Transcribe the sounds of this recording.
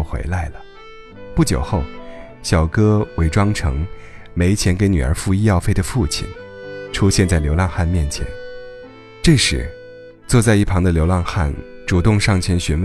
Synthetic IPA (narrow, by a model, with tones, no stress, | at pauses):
xwḛ˧˥ɪla˧˥ɪlə˩ | pu˥˩t͡ɕjo̰˨˩ʊxo˥˩ʊ | ɕjɑ˨˩ʊkɤ˥we˧˥ɪʈ͡ʂwɑ˥ŋʈ͡ʂʰɤ̰˧˥ŋ | me˧˥ɪt͡ɕʰjɛ˧˥nke˧˥ɪny˨˩ə̰˞˧˥fu˥˧i˥jɑ˥˧ʊfe˥˩ɪd̪ə˩fu˥˩t͡ɕʰḭ˨˩nʈ͡ʂʰu˥ɕjɛ˥˧nt͡sa˥˩ɪljo˧˥ʊlɑ˥˧ŋxa˥˩nmjɛ˥˩nt͡ɕʰjɛ̰˧˥n | ʈ͡ʂɤ˥˧ʂɻ̩̰˧˩ | t͡swɔ˥˧t͡sa˥˧ɪi˥˩pʰɑ˧˥ŋd̪ə˧ljo˧˥ʊlɑ˥˧ŋxa̰˥˩nʈ͡ʂu˨˩t̪ʊ˥˧ŋʂɑ˥˩ŋt͡ɕʰjɛ˧˥nɕy˧˥nw